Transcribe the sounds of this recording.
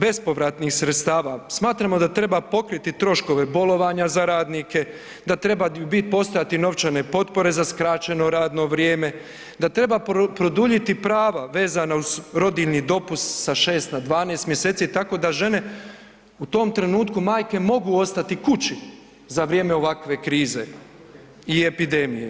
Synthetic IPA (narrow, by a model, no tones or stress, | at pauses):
be̞spo̞ʋɾat̪nixsɾet̪st̪aːʋasmaːt̪ɾamo̞d̪at̪ɾe̞bapo̞kɾit̪it̪ɾo̞ʃko̞ʋe̞bo̞lˠo̞ʋaɲazaɾaːd̪nike̞ | d̪at̪ɾe̞baubit̪̚po̞st̪o̞jat̪ino̞ʋt͡ʃane̞po̞t̪po̞ɾe̞zaskɾat͡ɕe̞no̞ɾaːd̪no̞ʋɾjeːme̞ | d̪at̪ɾe̞bapɾo̞d̪uʎit̪ipɾaːʋaʋe̞ːzanauzɾo̞d̪iʎnid̪o̞pust̪saʃeːst̪nad̪ʋaːneːst̪mje̞se̞ːt̪sit̪ako̞ːd̪aʒe̞ne̞ | ut̪o̞ːmt̪ɾe̞nuːt̪kumaːjke̞mo̞ɡuːo̞st̪at̪ikut͡ɕi | zaʋɾjemeo̞ʋakʋe̞kɾiːzḛ | ie̞pid̪e̞mije